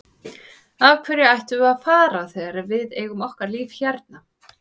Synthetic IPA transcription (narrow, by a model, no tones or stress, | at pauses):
avkʰvɛɾjaajht̪ʏaðfaːɾaθɛːɣɾɪvɪðeːjɣʏmɔhkaɾliːvçɛɾt̪̚na